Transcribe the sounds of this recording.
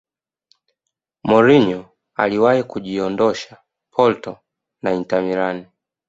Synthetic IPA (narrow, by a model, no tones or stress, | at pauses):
mɔɾiɲɔ | a̰liwahikuʄiɔndɔʃa | pʰɔltɔ | naintamiɾani